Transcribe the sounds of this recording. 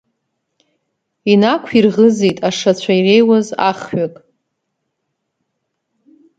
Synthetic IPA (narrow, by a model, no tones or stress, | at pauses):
inakʷʰirʁəzejtʼaʂat͡ɕʷʰaire̞jwaza̰χɥakʼ